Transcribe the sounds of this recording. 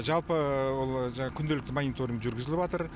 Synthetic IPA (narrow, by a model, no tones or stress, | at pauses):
ʒɑlˠpəwo̞lˠʒɑɴɑkʲʰʏnd̪elɪkt̪ɪmanʲit̪oɾəmʒʏɾɡʲɪzɪlɪpɑt̪əɾ